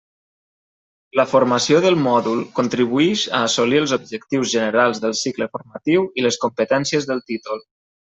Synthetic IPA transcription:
ləfuɾməsioðəlˠmɔðulˠkunt̪ɾiβuiʃəːsoliəlˠzub̚ʒəkt̪iwzʒənəɾalˠzðəlˠsikləfuɾmət̪iwiləskumpət̪ɛnsiəzðəlˠt̪it̪ulˠ

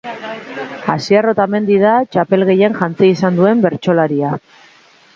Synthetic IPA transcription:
asiaro̞t̪ame̞nd̪iðat͡ʃape̞lɣe̞je̞ŋʝant͡siisand̪ue̞mbe̞ɾt͡ʃo̞laɾia

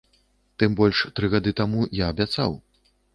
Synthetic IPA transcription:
t̪ɨmbɔlʲʂt̪ɾɨɣad̪ɨt̪amujaɐbʲat̪sa̰w

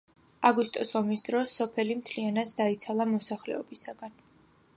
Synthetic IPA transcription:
aɡust̪ʼɔsɔmisd̪ɾɔsːɔpʰɛlimt̪ʰlianat̪sd̪ait̪sʰalˠamɔsaχlɛ̰ɔbisaɡ̥an

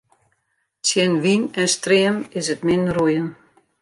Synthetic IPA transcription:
sjɛnʋinɛnstrɪəmɪsətmɪnnrujən

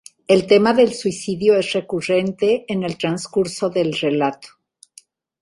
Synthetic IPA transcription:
e̞lt̪e̞maðe̞lswisiðjo̞esre̞kure̞nt̪e̞ːne̞lt̪ɾanskuɾso̞ðe̞lre̞lat̪o̥

